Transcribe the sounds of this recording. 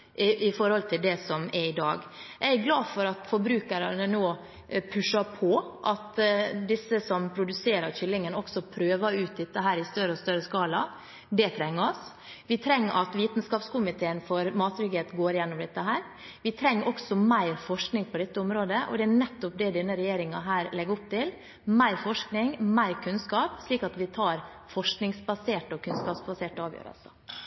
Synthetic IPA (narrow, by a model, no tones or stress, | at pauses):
ʔɪfɔɾhɔlt̪ʰɪld̪ɛsɔmɛɾɪd̪ɑ̰ːɡææɡlɑːfɔɾɑt̪fɔɾbɾʉːkəɾɑnənoː | pʰʉʂɑɾpʰɔʔɑt̪d̪ɪsːəsɔmpʰɾʊd̪ʉseːɾɑɾçʏlːɪŋənɔksɔpʰɾøːʋɑʉːt̪̚d̪ɛt̪ːəɦæːɾɪst̪œɾəɔst̪œɾəskɑːlɑ | d̪ɛt̪ʰɾɛŋːəɔs | ʋɪt̪ʰɾɛŋːʔɑt̪ʋiːt̪nskɑːpskʊmɪt̪ʰeːənfɔɾmɑːt̪ɾɪɡeːt̪ɡoːɾɪjɛnːɔmd̪ɛt̪ːəɦæːɾ | ʋɪt̪ʰɾɛŋːʔɔksɔmæɪɾfɔʂknɪŋpʰɔd̪ɛt̪ːəʊmɾoːd̪əʔɔ̰d̪ɛænɛt̪ːɔp̚d̪ɛd̪ɛnːəɾɛjeːɾɪŋɑɦæːɾlɛɡɾʊpt̪ɪl | mæɪɾfɔʂknɪŋmæɪɾkʰʉnskɑːpʂɭiːkɑt̪ʋɪt̪ʰɑːɾfɔʂknɪŋsbɑseːʈɔkʰʉnskɑːpsbɑseːʈəɑːʋjø̰ːɾə̰lsə